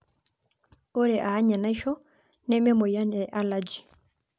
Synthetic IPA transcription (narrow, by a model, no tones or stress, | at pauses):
ʔɔɾɛʔahaɲanajʃɔ | nɛmɛmɔjanɛʔalad͡ʒi̥